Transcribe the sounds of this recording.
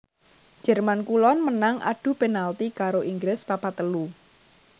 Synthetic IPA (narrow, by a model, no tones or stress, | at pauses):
d̥d͡ʒʒ̥ɛrmankulɔnmənaŋʔa̰ɖ̥ṳpenalt̪ikaɾoʔiŋɡɾɪspapat̪əlu